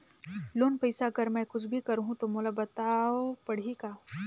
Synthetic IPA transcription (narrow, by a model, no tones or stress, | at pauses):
loːnpɐɪsaɡəɾmɛ̃kʊt͡ʃʰbʱikɐɾɦũt̪omoːlabɐt̪aːopɐɽ̤ikaː